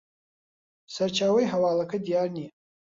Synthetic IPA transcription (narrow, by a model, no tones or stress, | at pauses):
sɐɾt͡ʃʰaːwɐjɦɐwaːlɐkʰɐd̪ijaːrni